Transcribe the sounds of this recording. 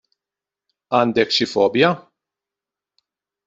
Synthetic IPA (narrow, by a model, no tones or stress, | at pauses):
ɐːnd̪ɛkʃɪfɔːbjɐ